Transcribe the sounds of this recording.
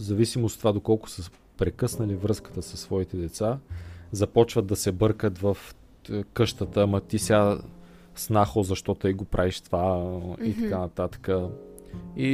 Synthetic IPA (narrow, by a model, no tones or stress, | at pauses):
zɐvisimot̪t̪ːovad̪okɔlˠkʊ̥sə | pɾɛkɤsnəlivɾɤskə̥t̪əsəsːvɔit̪ɛd̪ɛt̪sazɐpɔt͡ʃvəd̪ːɐsɛbɤɾkət̪vəf | kɤʃt̪ət̪əmɐt̪isʲa | snaxozɐʃt̪ɔt̪əiɡopɾʔaviʃt̪vait̪ɐkanɐt̪at̪ə̥kə | i